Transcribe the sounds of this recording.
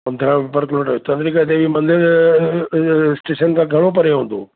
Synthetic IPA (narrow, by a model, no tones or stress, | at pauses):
pɐ̃nd̪ʱɾãʋɪpəɾkloʈɐot̪ɐ̃nd̪ɾikət̪ebimɐ̃nd̪ɪɾ | sʈeːʃənkʰãːɡʱɐɽ̃opɐɾeɦõːn̆d̪o̰ː